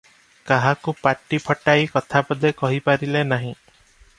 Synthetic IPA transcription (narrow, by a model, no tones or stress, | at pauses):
kaɦakupaʈipʰɔʈajkɔt̪ʰabɔd̪ekɔɦipaɾilenaɦĩ